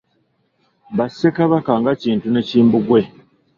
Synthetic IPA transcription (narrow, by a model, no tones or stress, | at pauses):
βasːekaβakaŋɡaciːntune̞ciːmbuɡwe̞